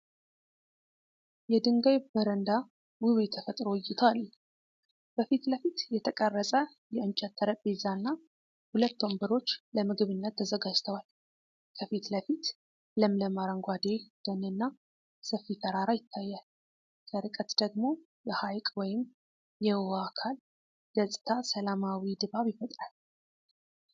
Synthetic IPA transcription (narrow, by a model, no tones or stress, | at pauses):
jɛd̪ɨŋɡajbəɾənd̪a | wɨwjɛt̪ʰːəfət̪ʼɾojːɪt̪ʰəal | b̥əfit̪ləfit̪jɛt̪ʰəkʼərːəsʼə | jɛɨnt͡ʃʼɛt̪ʰːəɾəbezanːa | hulət̪ːombəɾo̞t͡ʃːləmɨɡɨβɨnːət̪ʰːəzəɡad͡ʒt̪ʰəwal | kʰəfit̪ləfit̪ | ləmləmaɾəŋɡʷad̪ed̪̥ənɨnːa | səfːit̪ʰəɾaɾajɪt̪ʰːajːal | zəɾɨkʼət̪d̪əɡmo̞ | jɛhajkʼwɔjɪm | jɛwakʰal | ɡ̥əsʼɨ̥t̪ʰasəlamawid̪ɨβaβjɪfət̪ʼɾal